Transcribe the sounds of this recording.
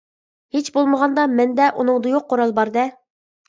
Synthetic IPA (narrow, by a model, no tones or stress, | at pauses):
het͡ʃbolˠməʁɑnd̪ɑmɛnd̪ɛʔunɨŋd̪ujoq̚ʰːoɾɑlˠbɑɾd̪ɛ